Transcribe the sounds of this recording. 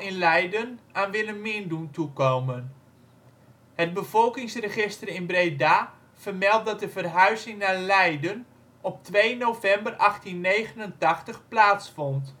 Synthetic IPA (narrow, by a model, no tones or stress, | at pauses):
ɪnlɛjdənaːnʋɪləmɪənduntukowmən | hət̚bəvɔlˠkɪŋsrəχɪstərəɪnbrejdaː | v̥ərmɛlˠt̚dɔt̚dəvərɦœɥzɪŋnalɛjdən | ɔp̚tʋejnowvɛmbərʔɑxtinːeːjɣənəntɑxtəxplaːtsfɔnt